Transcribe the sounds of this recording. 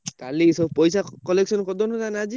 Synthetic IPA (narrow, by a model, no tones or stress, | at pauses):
kalisɔbpɔjsakɔleksɔnkɔd̪ɔnɔtanad͡ʒi